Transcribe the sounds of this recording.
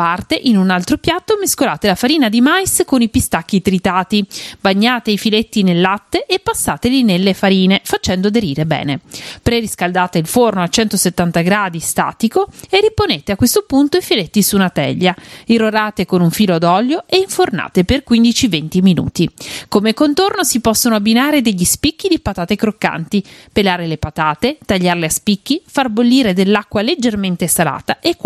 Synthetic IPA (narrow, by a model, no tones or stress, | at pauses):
part̪eʔinunalt̪ɾopjat̪ːomeskolaːt̪elafaɾiːnad̪imajskonipist̪ak̟ːit̪ɾit̪aːt̪ibaɲːaːt̪eifilet̪ːinelːat̪ːeʔepːasːaːt̪elinelːefaɾiːnefat͡ʃɛnd̪od̪eɾiːɾebɛ̰ːnepɾeriskald̪aːt̪eilfornoat͡ʃɛnt̪oset̪ːant̪aɡɾaːd̪ist̪a̰ːt̪ikoerːiponeːt̪eakːwest̪opunt̪oifilet̪ːisunat̪ɛ̰ʎːairːoɾaːt̪ekonuɱfiːload̪ɔljoeiɱforna̰ːt̪eperkwind̪it͡ʃivent̪iminṵːt̪ikomekont̪ornosipɔsːonoabinaːɾed̪eʎːispikːid̪ipat̪aːt̪ekɾokːa̰nt̪ipelaːɾelepat̪aːt̪et̪aʎːarleaspik̟ːifarbolːiːɾed̪elːakːwaled͡ʒːerment̪esala̰ːt̪aʔek